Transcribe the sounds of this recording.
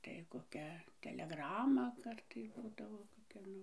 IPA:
tɐɪ koːˈkʲɛ tʲɛlʲɛˈɡrɑːmɐ ˈkɐrtɐɪ ˈbuːdɐʋoː koːˈkʲɛ ˈnʊ

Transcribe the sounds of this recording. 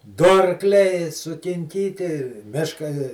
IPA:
ˈdʊ ɐrˈklʲɛɪ sʊkʲɪŋʲˈkʲiːtʲɪ ˈmʲɪʃkɐ

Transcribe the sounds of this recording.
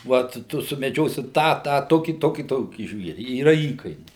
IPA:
ˈʋɐt ˈtʊ sʊmʲɛˈd͡ʒʲoːsʲɪ ˈtɑː ˈtɑː ˈtoːkʲiː ˈtoːkʲiː ˈtoːkʲiː ˈʒʲʋʲiɛrʲɪ iːˈrɐ ˈiːkɐɪnʲɛɪ

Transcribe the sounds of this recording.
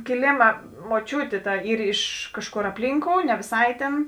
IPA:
kʲɪˈlʲeːmɐ moːˈt͡ʃʲuːtʲeː ˈtɐ ˈiːr ɪʃ ˈkɑːʃˌkoːr ɐpʲˈlʲiːŋkoːʊ nʲɛ ʋʲeːˈsɐɪ tʲeːn

